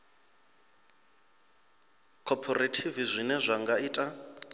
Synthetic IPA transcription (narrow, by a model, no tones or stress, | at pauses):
kʰɔpʰɔratʰivizʷinɛzʷaŋɡaiːtʼa